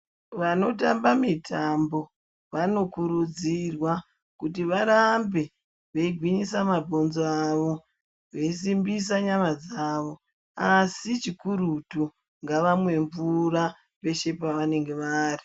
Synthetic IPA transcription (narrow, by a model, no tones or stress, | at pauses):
ʋano̞tambamitʰambo̞ | ʋano̞kuɾud͡zirwa | kutiʋaɾambe̞ | ʋe̞iɡʱwiɲisamabʱo̞nzoaʋo̞ | ʋe̞isimbis̬aɲamad͡zaːʋo̞ | asit͡ʃikuɾutu | ŋɡaʋamwe̞ɱvura | pe̞ʃe̞paʋane̞ŋɡe̞ʋaːri